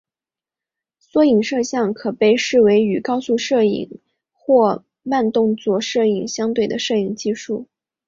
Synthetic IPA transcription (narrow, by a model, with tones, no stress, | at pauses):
swɔ˥i˨˩ŋʂɤ˥˧ɕjɑ˥˩ŋkʰɤ˨˩pe˥˧ɪʂɻ̩˥˩we˧˥ɪy˨˩kɑ˥ʊsu˥˧ʂɤ˥˩ḭ˨˩ŋ | xwɔ˥˧ | ma˥˧nt̪ʊ˥˧ŋt͡swɔ˥˩ʂɤ˥˩i˨˩ŋɕjɑ˥ŋt̪we˥˩ɪd̪ə˩ʂɤ˥˩i˨˩ŋt͡ɕi˥˧ʂu˥˩